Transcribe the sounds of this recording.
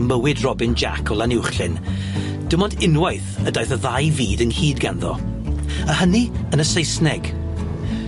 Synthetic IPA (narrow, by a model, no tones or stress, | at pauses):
məwɪdrɔbɪnd͡ʒa̰kʰɔlˠanɪwχɬɪn | d̥əmɔndɪnwajθədajθəðajviːdənhiːdɡanðɔ̰ | əhəniənəsejsnɛɡ̥